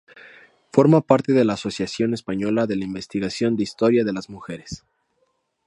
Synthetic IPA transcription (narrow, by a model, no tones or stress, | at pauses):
fo̞ɾmapaɾt̪e̞ðe̞laːso̞sjasjo̞ne̞spaɲo̞laðe̞laimbe̞st̪iɣasjo̞nd̪eist̪o̞ɾjaðe̞lazmuxe̞ɾe̞s